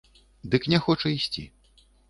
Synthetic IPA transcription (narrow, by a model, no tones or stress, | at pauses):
d̪ɨknʲɛxɔt͡ʂɐisʲt͡sʲḭ